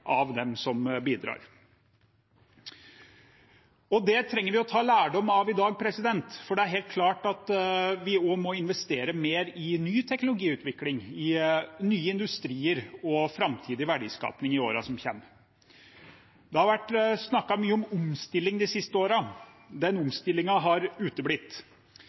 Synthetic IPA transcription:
ʔɑʋd̪ɛmsɔmbiːd̪ɾɑ̰ːɾ | ɔd̪ɛt̪ʰɾɛŋːəɾʋɪɔt̪ʰɑːlæːɖɔmːɑʋɪd̪ɑːɡ̚pʰɾɛsɪd̪ɛnt̪fɔɖɛæɾɦɛːlt̪̚kʰlɑːʈɑt̪ʋɪomɔɪnʋɛst̪eːɾəmeːɾɪnyːt̪ʰɛknʊlʊɡiːʉːt̪ʰʋɪklɪŋɪnyːəɪnd̪ʉst̪ɾiːəɾɔfɾɑmt̪ʰiːd̪ɪʋæɖḭːskɑ̰ːpnɪŋɪo̰ːɾɑsɔmçɛ̰mː | d̪ɛhɑɾʋæʈːsnɑkːɑmyːəɔmʊmst̪ɪlːɪŋd̪ɪsɪst̪əoːɾɑ | d̪ɛnʊmst̪ɪlːɪŋɑɦɑɾʉːt̪əblɪt̪ː

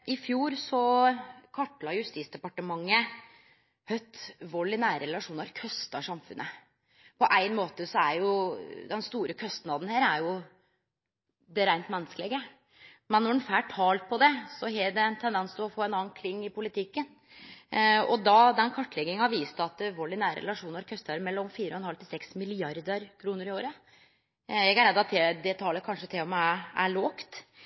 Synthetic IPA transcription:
ɪfjuːɾsɔkʰɑʈːlɑjʉst̪iːt̪sd̪ɛpɑʈəmɑŋːə | hœʏt̪ʋɔlːɪnæːɾəɾɛlɑʂuːnəɾkʰœst̪ɑʂɑmfʉ̰nʔə | pʰɔʔæɪnmoːt̪əsɔæɾjʊd̪ɛnst̪uːɾəkʰœst̪nɑːd̪n̩hæːɾæɾjʊ | d̪ɛɾæɪnt̪mɛnːəskəlɪɡə | mɛnːɔɖn̩fæːʈʰɑːlt̪̚pʰɔd̪ɛsɔɦɛɖɛnt̪ʰɛnd̪ɛnsd̪ʉɔfoːɛnɑːnkʰlɪŋːɪpʊlɪt̪ʰɪkːən | ɔd̪ɑd̪ɛnkʰɑʈːlɛɡɪŋɑʋiːst̪ɑt̪̚ʋoːɭɪnæːɾə̰ɾɛ̰lɑʂuːnəɾkʰœst̪ɑɾəmɛlːɔmfiːɾəɔhɛnhɑlt̪ɪlsɛksmɪlɪɑɾd̪əɾkʰɾuːnəɾɪoːɾə | jɛɡæɾæɑt̪̚ɛd̪ɛt̪ʰɑːləkʰɑnʂət̪ʰɪlɔmææɭoːkt̪

